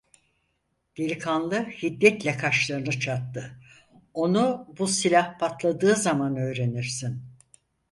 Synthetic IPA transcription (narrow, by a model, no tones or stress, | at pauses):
d̪̥ilʲkʰanlˠɯhid̪ːɛt̪lʲɛkʰaʃlˠaɾɯnɯt͡ʃʰat̪ːɯ | o̞nubusilʲahpʰat̪lˠad̪ɯːzamanø̞ːɾe̞niɾsin